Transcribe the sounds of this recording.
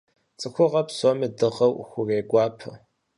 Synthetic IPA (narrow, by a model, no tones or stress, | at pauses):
t͡sʼɨxʷʊʁɐpsomɨdɨʁɐwxʷʊreːɡʷɑːpʰɨ̰